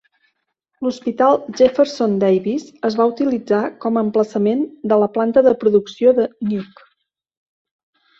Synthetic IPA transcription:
luspit̪alˠʒefəɾsond̪ɛjβisəzβaut̪ilid͡zakɔməmpləsəmend̪ələplant̪əðəpɾuðuksioðənjuk

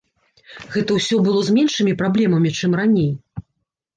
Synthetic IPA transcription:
ɣɛt̪ɐwsʲɔbɨlˠɔzʲmʲɛnʂɨmʲipɾablʲɛmɐmʲit͡ʂɨmranʲej

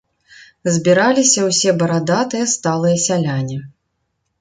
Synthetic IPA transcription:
zʲbʲiɾalʲisʲɐwsʲɛbɐɾad̪at̪ɨjɐst̪alˠɨjɐsʲalʲanʲi

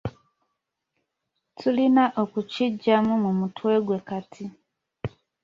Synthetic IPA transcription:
tʰulinaʔokut͡ʃid͡ʒamumumutʰuwɛɡwekatʰi

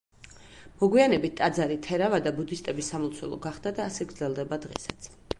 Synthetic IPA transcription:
mɔɡwianɛbit̪̚t̪ʼad̪zaɾit̪ʰɛɾavad̪abud̪ist̪ʼɛbisːamɔlˠt̪sʰwɛ̰lˠɔ̰ɡaχd̪ad̪aːsɛɡɾdzɛlˠd̪ɛbad̪ʁɛ̰sḁt̪sʰ

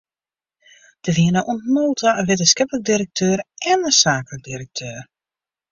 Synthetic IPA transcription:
d̥əʋiənəʔuntnoːtʰaʋɪtəskɛpələk̚diɾək̚tʰøːɾɛnəsaːklək̚diɾək̚tʰøːr

